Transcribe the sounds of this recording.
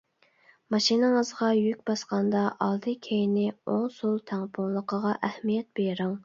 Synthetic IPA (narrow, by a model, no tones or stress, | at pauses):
mɑʃinɨŋəzʁɑjykʲbɑsqɑnd̪ɑʔɑlˠd̪ɨkʲʰejnɪoŋsulˠt̪ʰæŋpʰonlˠəqəʁɑʔæhmijɛt̪̚b̥eɾɨŋ